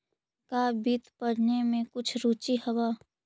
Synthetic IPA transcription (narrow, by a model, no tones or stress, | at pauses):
kaːbit̪pəɽnemẽkʊt͡ʃʰɾut͡ʃihɐbaː